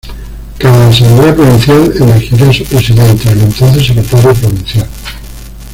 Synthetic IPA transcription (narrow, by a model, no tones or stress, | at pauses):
kaðaas̬ambleapɾoβĩnθjalemexiɾasupɾesiðent̪eanũnθaðosekɾet̪aɾjop̬ɾoβ̞in̟θjal